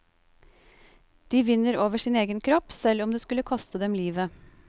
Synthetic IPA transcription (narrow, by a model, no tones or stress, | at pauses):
d̪̥iːʋɪnːəɾoːʋəʂɪneːɡənkʰɾɔpːsɛlɔmd̪eːskʉlːəkʰɔst̪əd̪ɛmliːʋə